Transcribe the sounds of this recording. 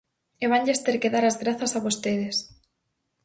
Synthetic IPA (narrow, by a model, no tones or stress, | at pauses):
eβaɲʎest̪eɾkeðaɾazɣɾaθasaβost̪eðes